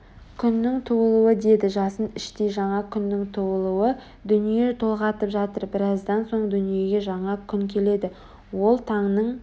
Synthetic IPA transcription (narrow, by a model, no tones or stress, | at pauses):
kʲʰʏnːɪŋt̪ʰubəlˠuwəd̪e̞d̪ɪʒɑsənɪʃt̪e̞jʒɑɴɑkʲʰʏnːɪŋt̪ʰuwəlˠuwə | d̪ʏnije̞t̪ʰo̞lˠʁɑt̪əpʒɑt̪əɾbɪɾɑzd̪ɑnso̞ɴd̪ʏnije̞ɡʲe̞ʒɑɴɑkʲʰʏŋkʲʰe̞le̞d̪ɪ | wo̞lˠt̪ʰɑɴnəɴ